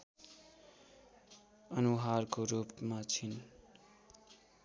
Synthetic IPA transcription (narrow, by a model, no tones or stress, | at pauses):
ʌnuɦarkoɾupmat͡sʰin